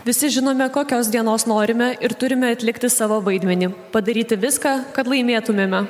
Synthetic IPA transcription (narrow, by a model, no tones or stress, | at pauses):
ʋʲɪsʲɪʒʲɪnoːmʲɛkoːkʲoːsd̪ʲiɛnoːsnoːɾʲɪmʲɛʔɪɾt̪ʊɾʲɪmʲɛɐt̪ʲlʲɪkt̪ʲɪsɑːʋoːʋɐɪd̪ʲmʲɛnʲiːpɐd̪ɐɾʲiːt̪ʲɪʋʲɪskɑːkɐt̪lˠɐɪmʲeːt̪ʊmʲeːmʲɛ